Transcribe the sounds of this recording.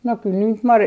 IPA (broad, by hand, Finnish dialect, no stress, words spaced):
no kyl niːt mɑrjoi